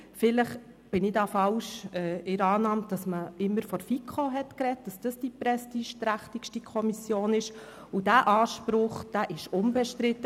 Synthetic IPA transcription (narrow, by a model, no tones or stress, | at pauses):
fɪləχ | b̥ɪnɪdɑːfɑlʃɛːɪɾɑːnɑːmtd̥ɑsməɪmːəɾfɔɾfikχoɦɛtkɾɛt̚d̥ɑsd̥ɑsd̥ipɾɛstiːʃtɾæχtikʃtikʰɔmisjoːnɪʃ | ʊdæːʔɑːʃpɾʊχd̥æːʔɪʃʊnbɛʃtɾɪtːə